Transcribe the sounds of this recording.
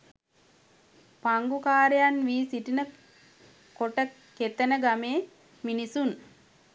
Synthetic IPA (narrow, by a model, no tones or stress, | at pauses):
paŋɡukaːɾejanʋiːsiʈinə | koʈə | ket̪ənəɡameː | minisun